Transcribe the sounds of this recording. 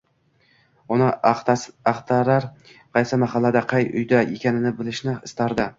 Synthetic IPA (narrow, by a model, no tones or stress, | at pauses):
ʊnɪ | ɑχt̪ʰaɾaɾ | qʰɑjsɪmaɦɑlːad̪aqʰɑjʊ̰jd̪ajḛkʲanɪnɪbɪlɪʃnɪɪst̪aɾd̪ɪ